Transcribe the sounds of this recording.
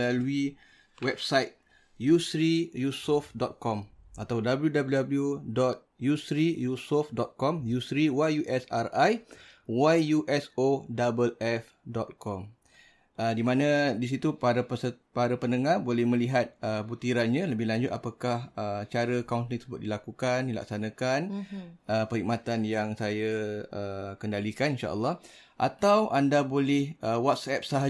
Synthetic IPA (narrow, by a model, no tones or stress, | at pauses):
lalui | wɛb̚sajt̪̚ | jusɾijusofdɔt̪̚kɔmat̪awdabəljudabəljudabəljudɔt̪̚jusɾijusofdɔt̪̚kɔmjusɾiwajjuʔɛsarajwajjuʔɛsodabəlɛf | dɔt̪̚kʰɔm | ədimãnãdis̬it̪upaɾapəsəpaɾapənəŋahbolɛhmə̃liɦat̪̚əbut̪iɾanɲãləbɪhlaɲd͡ʒʊt̪̚apakahət͡ʃaɾəkauntlit̪səbʊt̪̚dilakukandila̰k̚sanãkanʔəpəɾik̚mat̪anjaŋsajaəkəndalikaninʃa̰ʔə̰lːɔh | ʔa̰t̪awʔandabolɪhəwɔt̪̚sɛp̚saɦa